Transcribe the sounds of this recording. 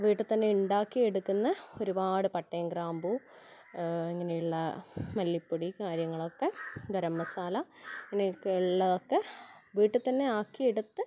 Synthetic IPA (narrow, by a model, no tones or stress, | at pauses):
ʋiːʈːɨt̪ɐnːe̞uɳɖaːkːijeɽukːunːɐo̞ɾubaːɽɨpɐʈːɐjɐmɡraːmbu | iŋːɐnejuɭːɐmɐlːipːuɽikaːɾjɐŋːɐɭo̞kːe̞ɡɐɾɐmːɐsaːlɐiŋːɐnekːiɭːɐðokːe̞ʋiːʈːɨt̪ɐnːe̞aːkːijeɽut̪ːɨ